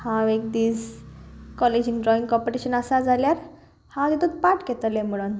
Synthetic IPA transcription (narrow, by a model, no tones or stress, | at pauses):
hãʋek̚d̪iːd͡z | kɔled͡ʑiŋɡɖɾɔĩŋɡkɔpoʈiɕənasad͡zʱaljaɾ | hãt̪it̪ut̪̚paʈɡet̪alẽməɽon